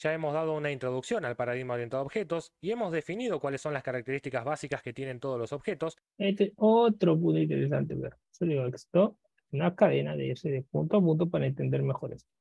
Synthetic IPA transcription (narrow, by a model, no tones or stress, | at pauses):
ʒ̥aemozðað̞ounaint̪ɾoðuksjonalpaɾaðiɣmaoɾjent̪aðoxet̪o̞sie̞mo̞zðefiniðo̞kwalesːo̞nlaskaɾak̚t̪eɾist̪ikazβasikasket̪jene̞nt̪oð̞olosoβxet̪o̞s | et̪eot̪ɾop̬ũnt̪oint̪eɾes̬ant̪eβe | soliɣoekst̪o | nakaðenaðeiɾseðepunt̪oap̬unt̪̬opaɾaent̪e̞nd̪eɾmexo̞ɾʔeso